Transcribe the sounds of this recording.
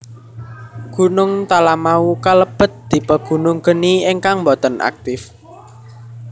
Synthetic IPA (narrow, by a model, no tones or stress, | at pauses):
ɡ̥ṳnʊŋt̪alamaukaləb̥ə̤t̪̚d̪̥i̤pəɡ̥ṳnʊŋɡ̥əniɪŋkaŋmbɔt̪ɔnʔa̰k̚t̪ɪf